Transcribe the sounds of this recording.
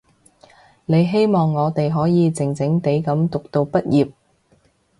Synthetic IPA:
ne˨˧jɦe˥jmɔː˨ŋːɔː˨˧t̪e˨jɦɔː˨˥jiː˨˧t͡sɪ˨˩ŋt͡sɪ˨˥ŋt̪e˨˥jkɐ˨˥mt̪ʊ˨k̚t̪o˧wpɐ˥t̚jiː˨˩p̚

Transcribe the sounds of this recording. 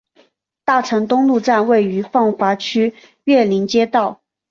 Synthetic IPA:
t̪a˥˩ʈ͡ʂʰɤ˧˥ŋt̪ʊ˥ŋlu˥˧ʈ͡ʂa˥˧nwe˥˩ɪy˧˥fɑ˥˩ŋxwa˧˥t͡ɕʰy˥ | ɥɛ˥˩li˧˥nt͡ɕjɛ˥t̪ɑ˥˩ʊ

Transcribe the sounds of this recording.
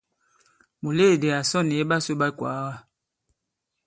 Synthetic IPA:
mu˨le˦˨de˨a˨sɔ˦˨ne˨˦ba˦so˦ba˦kwa̰˨˦ɣa˦

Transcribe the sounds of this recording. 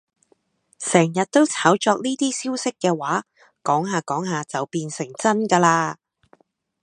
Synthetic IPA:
sɛː˨˩ŋjɐ˨t̚t̪o˥wt͡sʰaː˨˥wt͡ʃɔː˧k̚niː˥t̪iː˥siː˥wsɪ˥kːɛː˧waː˨˥ | kɔː˨˥ŋɦaː˨˧kɔː˨˥ŋɦaː˨˧t͡sɐ˨wpiː˧nsɪ˨˩ŋt͡sɐ˥nkaː˧laː˧

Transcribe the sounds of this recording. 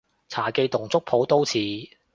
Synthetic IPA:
t͡sʰaː˨˩ke˧jt̪ʊ˨˩ŋt͡sʊ˥k̚pʰo˨˧˥wt̪o˥wt͡sʰiː˨˥

